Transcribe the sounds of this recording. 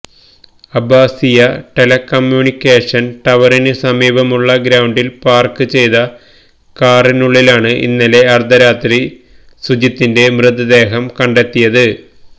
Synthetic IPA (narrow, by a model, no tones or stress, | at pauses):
ɐbʱaːsijɐʈe̞lɐkːɐmjuːnikʲːe̞ːʂɐnʈɐʋɐɾinɨsɐmiːbɐmuɭːɐɡɾaːwɳɖilpaːrkɨt͡ɕe̞jðɐ | kaːrinuɭːilaːɳɨʔḭnːɐle̞ɐrd̪ʱɐɾaːt̪ɾi | sud͡ʑit̪ːinde̞mrɨd̪ɐd̪e̞ːɦɐmkɐɳɖe̞t̪ːijɐðɨ